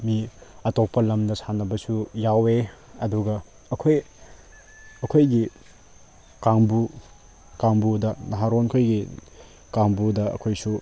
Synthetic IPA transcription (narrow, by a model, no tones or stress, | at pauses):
miɐtok̚pɐlɐmdɐsʰanɐbɐsujaweɐduɡɐ | ɐkʰoj | ɐkʰojɡi | kaŋbu | kaŋbudɐnɐɦaɾonkʰojɡi | kaŋbudɐɐ̰kʰojsu